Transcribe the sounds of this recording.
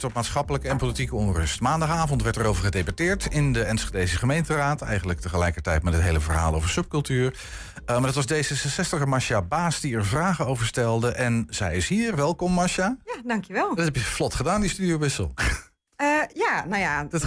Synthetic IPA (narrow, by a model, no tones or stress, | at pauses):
tɔp̚maːtsχɑpələkəɛnpolitikəɔnrɵ̰stmaːndɑχaːvɔntʋɛɹtəɾowvəɹχədejbatɪːɹtɪndəɛnsχedejsəχəmejntəraːtɛ̰jχənlək̚təχəlɛjkəɹtɛjtmɛtɦətɦejləvəɹɦa̰ːlˠo̰wvəɹsɵp̚kɵlˠtyːɹ | əmaɹdɑtʋɑzdejzəsəsɛstəχəmɑʃabaːsdiɛɹvraːχənowvəɹstɛlˠdəʔɛnz̥ɛjɪsɦiːɹʋɛlˠkɔmːɑʃajadɑŋkjəʋɛlˠdtɦɛpjəflɔtχədaːndistydiowbɪsəlˠ | janaja